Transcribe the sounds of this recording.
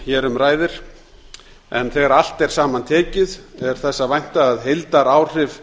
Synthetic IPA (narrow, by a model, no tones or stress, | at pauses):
çɛːɾʏmɾaːjðɪɾ̥ | ɛnθɛːɣaɾal̥t̪ɛɾ̥saːmant̪ʰɛːcɪðɛɾ̥θɛsːavajn̥t̪aːðɦejlt̪aɾaːwr̥ɪv